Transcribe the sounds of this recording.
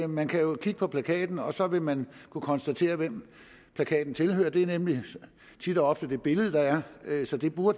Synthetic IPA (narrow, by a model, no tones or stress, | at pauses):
mænkʰæjo̝kʰiɡ̥əpʰɒ̽pʰlækʰɛ̰ːd̥n̩ɒ̽sɒ̽ʋe̝mænkʰukʰɒ̽nsd̥æt͡sʰe̝̰ːɐʋem̰ | pʰlækʰɛ̰ːd̥n̩t͡sʰe̝lhø̰ːɐd̥e̝æɐnemli | t͡sʰid̥ɒ̽ɒ̽fd̥əd̥e̝b̥e̝ləð̞̩ˠəd̥ɑ̈æɐsɒ̽d̥e̝b̥uɐd̥